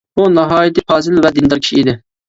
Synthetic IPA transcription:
bunɑɦɑːjit̪ɪpʰɑːzɪlvɛd̪ɪnd̪ɑɾkʰʲi̥ʃiid̪ɪ

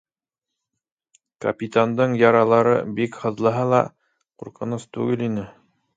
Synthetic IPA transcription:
kɐ̰pʲit̪and̪ɤɴjɑɾɑlˠɑɾɤ̰bikhɤ̆ðlˠɤ̆ɦɑlˠɑ̰ | quɾqɤ̆nɤst̪ʉɡɘlinɘ

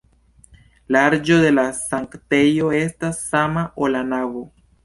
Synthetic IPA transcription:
laaɾd͡ʒo̞de̞lasaŋkte̞jo̞e̞stasːamaʔolanavo

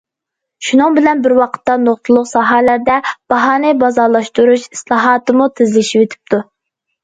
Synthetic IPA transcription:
ʃunɨŋbɪlɛnbɪɾwɑqʰə̥t̪ːɑnoχt̪ʰɨlˠʊqsɑɦælæɾd̪ɛb̥ɑɦɑːnɨbɑzɑɾlˠɑʃt̪uɾuʃislˠɑɦɑːt̪ɨmut̪ʰɪzlɪʃipet̪ʰɪ̥p̚t̪ʰu

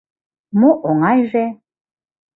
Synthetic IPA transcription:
moʔoŋɑjʒe

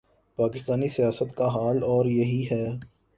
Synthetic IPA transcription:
paːkɪst̪aːnisijaːsət̪kaɦaːlɔːɾjɐɦiɦɛː

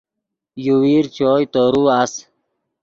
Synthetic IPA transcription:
juwiːɾt͡ɕoːjt̪oːɾuas

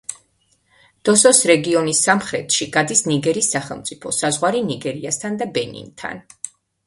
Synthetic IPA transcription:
d̪̥ɔsɔsɾɛɡiɔnisːamχɾɛt̪ʃiɡ̥ad̪isniɡɛɾisːaχɛlˠmt̪sʼipʰɔsazʁwaɾiniɡɛɾiast̪ʰand̪abɛnḭnt̪ʰa̰n

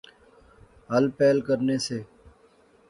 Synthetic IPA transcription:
ɦəlpeːlkəɾneːseː

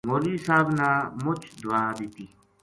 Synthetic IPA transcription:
ŋoːlisaːbnaːmʊt͡ʃʰd̪uaːd̪it̪i

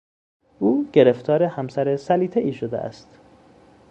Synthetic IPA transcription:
ʔuːɡ̥e̞ɾe̞ft̪ʰɒːɾehæmsæɾesæliːt̪ʰeʔiːʃo̞d̪eʔæ̰st̪

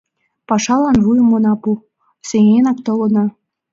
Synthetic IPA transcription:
pɑʃɑlˠɑnvujɤ̆mŏnɑpu | seŋʲenɑk̚t̪ŏlɤ̆nɤ̆

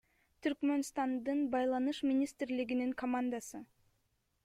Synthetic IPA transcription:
t̪ʰyɾkmø̞nst̪ɑnd̪ɯnbɑjlˠɑnɯʃmʲinʲist̪rliɡiniŋkʰomand̪asɯ

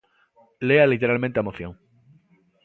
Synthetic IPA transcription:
lealit̪e̞ɾalmẽnt̪eamoθjo̰ŋ

